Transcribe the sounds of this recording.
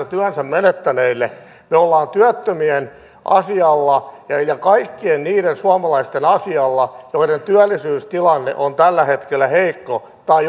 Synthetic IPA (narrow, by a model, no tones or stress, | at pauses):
ɑt̪yænsæmmenet̪ːæneilːe | meolːɑːnt̪yæt̪ːømien | ʔɑ̰siɑlːɑjɑjɑkɑikːienniːɾensuɑmɑlɑist̪enɑsiɑlːɑjoiɾent̪yælːˑisyːst̪ilɑnːḛʔont̪ælːæhet̪kelːæheikːo | t̪ɑi